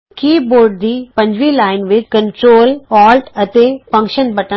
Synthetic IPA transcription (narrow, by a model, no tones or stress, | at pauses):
kiːboːɾɖ̚d̪iːpɐ̃ɲd͡ʑʋiːlaːɪnʋɪt͡ʃkə̃ɳʈɾoːlɔːlʈɐt̪efɐ̃ŋkʃənbɐʈə̃